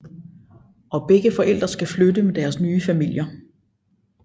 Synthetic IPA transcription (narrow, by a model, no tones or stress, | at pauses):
ʔɒ̽b̥eɡ̥əfɒ̽ʔel̰d̥ʁɐsɡ̥æflødəmed̥æɐsnyːəfæmil̰jɐ